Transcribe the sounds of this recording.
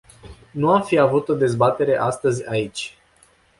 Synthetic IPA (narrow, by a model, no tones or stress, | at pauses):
nuamfiavut̪o̞d̪e̞zbat̪e̞ɾe̞ʔast̪əzʲait͡ʃʲ